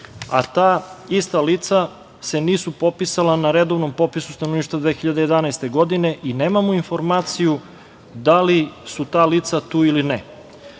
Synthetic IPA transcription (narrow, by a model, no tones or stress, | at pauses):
a̰t̪aːist̪alit̪sa | se̞niːsupo̞pisalˠanaɾed̪o̞ʋno̞mpo̞pisu̥st̪anoniːʃt̪vad̪ʋeːxiʎad̪eje̞d̪anajst̪e̞ɡo̞d̪ine̞ʔineːmamoinfo̞ɾmaːt̪siju | d̪alisut̪aːliːt̪sat̪uːiline